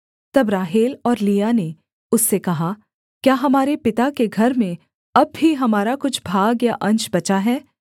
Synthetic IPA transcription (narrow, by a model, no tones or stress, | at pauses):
t̪ɐbɾaːɦeːlɔːɾliːjane | ʊsːekɐɦa | kjaːɦɐmaːɾepɪt̪akeɡʱɐɾmẽ | ɐbːiɦɐmaːɾakʊt͡ʃʰbʱaːɡjaʔɐ̃ɲt͡ʃbɐt͡ʃaɦɛː